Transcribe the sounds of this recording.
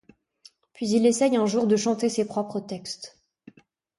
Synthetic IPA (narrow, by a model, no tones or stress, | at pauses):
pɥizilesɛjɛ̃ʒuʁd̪əʃɑ̃t̪esepχɔpχət̪ɛkst̪